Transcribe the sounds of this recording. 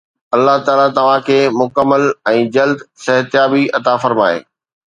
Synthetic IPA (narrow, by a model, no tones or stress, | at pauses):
ɐlːaɦt̪aːlat̪ɐʋ̤ãkʰeːmʊkəmːəlɛ̃ːd͡ʑɐld̪sɐɦt̪jaːbiɐt̪afɐɾmaːḛː